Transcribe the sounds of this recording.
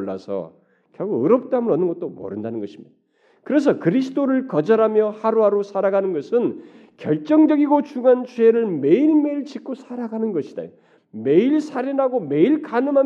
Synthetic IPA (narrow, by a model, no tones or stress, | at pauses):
ɭːa̰sʰʌ̰ | kjʌɡuɯɾʌp̚t͈oɦamɯɾʌnːɯnɡʌt̚t͈omʌ̰ɾɯndanɯnɡʌɕʰimj | kɯɾe̞s̬ʰʌkɯɾisʰɯdoɾɯɭkʌd͡ʑʌɾɦamjʌhaɾoɦaɾosʰaɾaɡanɯnɡʌsʰɯn | kjʌɭt͡ɕ͈ʌŋd͡ʑʌɡiɡot͡ɕuɡant͡ɕweɾɯɭmeilme̞iɭt͡ɕik͈ʰosʰaɾaɡanɯnɡʌɕʰid̥a̰jo | me̞iɭsʰaɾinaɡome̞iɭkanɯmɦa